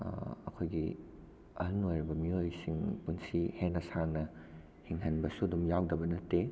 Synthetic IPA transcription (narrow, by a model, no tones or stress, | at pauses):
ɐ̰kʰojɡi | ɐhɐnojɾɐbɐmiojsiŋpunsihenːɐsaŋnɐ | hiŋɦɐnbɐsuɐdumjawdɐbɐnɐtːe